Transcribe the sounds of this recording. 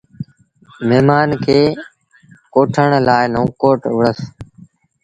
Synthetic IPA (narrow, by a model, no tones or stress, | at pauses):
meːmaːnkʰeː | koːʈʰəɳ̃laːɪnõːkoːʈʋəɽəs